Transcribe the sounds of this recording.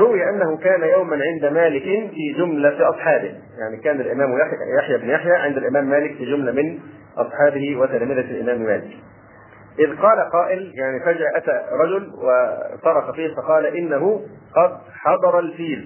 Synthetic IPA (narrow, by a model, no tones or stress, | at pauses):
ɾˤʊwɪjʔanːahʊkaːnajawmanʕɪnd̪amaːlɪkɪnfiːd͡ʒʊmlaiʔɑsˤħɑːbɪh | jaʕnikaːnalʔɪmæːmjajaħjabnjaħjæːʕɪnd̪æalʔɪmæːmːæːlɪkfiːd͡ʒʊmlamɪn | ʔɑsˤħɑːbɪhiwɪt̪almɪðalʔɪ̰mæːmmæːlɪk | ʔɪðqɑːlaqɑːʔɪljaʕnifæd͡ʒːʔæt̪aɾˤɑd͡ʒʊlwat̪ˤɑɾˤɑxɑfiːhfɑqɑːlaʔɪnːaɦʊ | qɑd̪̚ | ħɑd̪ˤɑɾˤɑlfiːl